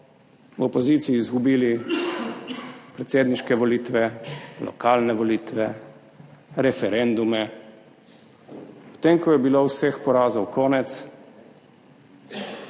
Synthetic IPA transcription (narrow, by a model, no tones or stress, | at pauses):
wɔpɔziːt̪siːzɡubiːli | pɾɛt̪seːd̪niʃkɛʋɔliːt̪ʋɛlʔɔ̰kaːlnɛʋɔliːt̪ʋɛ | ɾɛfɛɾɛnd̪umɛ | pt̪eːmkɔjɛbilowsexpɔɾaːzɔwkɔːnɛt̪s